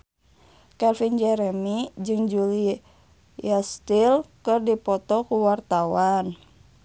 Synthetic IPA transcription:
kɛlfind͡ʒɛɾɛmid͡ʒɨŋd͡ʒuli | ast̪ilkɨrdipɔt̪ɔkuwart̪awan

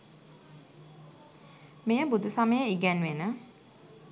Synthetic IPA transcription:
mejəbud̪usaməjəiɡɛnʋenə

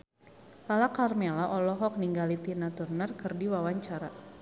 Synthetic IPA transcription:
lalakarmɛlaʔɔlɔɦɔk̚niŋɡalit̪inat̪urnərkɨrdiwawaɲt͡ʃaɾa

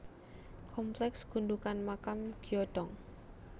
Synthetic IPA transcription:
kʰɔmplɛksɡ̥ṳnd̪ukanmakamɡ̥iɔɖɔŋ

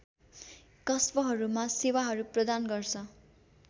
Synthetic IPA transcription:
kʌsbʌɦʌɾumasewaɦʌɾuprʌd̪anɡʌrt͡sʰʌ

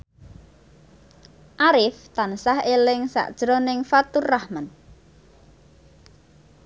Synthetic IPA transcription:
ʔaɾɪft̪ansahelɪŋsa̰ʔd̥ʒ̥ɾonɪŋfat̪urːahmən

